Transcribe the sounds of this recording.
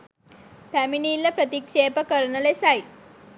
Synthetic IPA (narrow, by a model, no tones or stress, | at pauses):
t̪æminiːlɐpɾɐt̪ikʂeːpɐkəɾɳɐlesai